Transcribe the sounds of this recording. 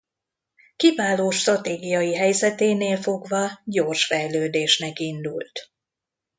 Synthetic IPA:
kivaːloːʃt̪rɒt̪eːɡijɒjiɦɛjzɛt̪eːneːlfo̞ɡvɒɟo̞rʃfɛjløːd̪eːʃnɛkind̪ṵlt̪

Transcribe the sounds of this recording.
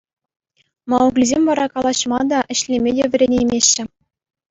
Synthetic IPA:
mɑuklʲizʲemʲʋɑɾɑkɑlˠɑɕmɑd̪ɑʔɘ̆ɕlʲemʲedʲeʋʲɘ̆rʲenʲemʲeɕːɘ̆

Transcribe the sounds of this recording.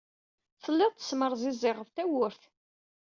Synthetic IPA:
θəlːɪðˤt̪ːə̥sməɾˤzizːɪʁəft̪æwʊɾθ

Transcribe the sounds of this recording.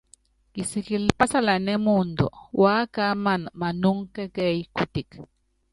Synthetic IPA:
kisikilpasalanemund̪o̰wakamanmanuŋkekeikut̪ik

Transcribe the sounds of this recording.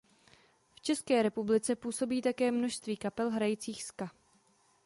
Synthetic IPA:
ft͡ʃɛskɛːɾɛpublɪt͡sɛpuːso̞biːt̪akɛːmno̞ʃst̪viːkapɛlɦɾajit͡siːxska

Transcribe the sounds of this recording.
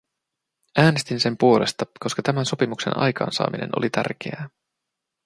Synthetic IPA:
ʔæːnest̪inse̞mpuo̞le̞̰st̪ɑko̞skɑt̪æmænso̞pimukse̞nɑ̰jkɑ̰ːnsɑ̰ːmine̞̰nolit̪æ̰rk̟ḛæː

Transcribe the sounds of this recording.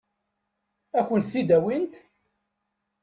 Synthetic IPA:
æçənt̪θid̪æwint̪

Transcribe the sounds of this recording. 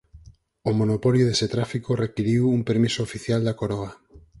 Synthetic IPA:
omonopoljoðeset̪ɾafikorekiɾiwumpeɾmisoːfiθjald̪akoɾoɣa

